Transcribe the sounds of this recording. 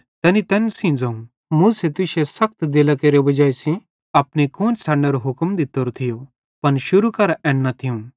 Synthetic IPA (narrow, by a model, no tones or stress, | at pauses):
t̪ɛːnit̪ɛːnsĩd͡zɐ̃ũ | mũːset̪ʊʃesɐk̚t̪d̪eːlakeːɾebɐd͡ʒaːisĩ | ɐpnikõːnsʰaɽneɾoɦʊkmd̪ɪt̪oɾot̪ʰɪjo | pɐnʃʊɾukɐɾʔɛːnːat̪ʰijũː